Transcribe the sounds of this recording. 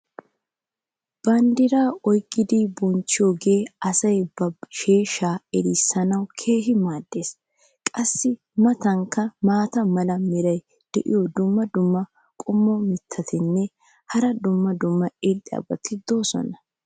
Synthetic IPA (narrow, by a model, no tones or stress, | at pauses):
b̥ɐnd̪ɪɾaːɔjkʼːɪd̪ɪbɔnt͡ʃːɪjoːɡe̞ːɐsɐjbɐʃeːʃaːɛɾɪsːɐnɐwkʰeːɦɪmaːd̪ːe̞ːs | kʼɐsːɪ | mɐt̪ɐŋkːɐmaːt̪ɐmɐlɐmɪɾɐj | d̪̥ɛ̰ʔɪ̰jɔd̪ʊmːɐd̪ʊmːɐ | kʼʊmːɔmɪt̪ʰːɐt̪ɪnːɛ | hɐɾɐd̪ʊmːɐd̪ʊmːɐɪlɪɐ̰bɐt̪ɪd̪o̞ːsɔ̰nɐ